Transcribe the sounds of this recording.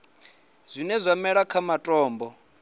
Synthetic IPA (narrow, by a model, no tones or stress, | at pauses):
z̥ʷinɛzʷamɛɺakʰamatʼɔːmbɔ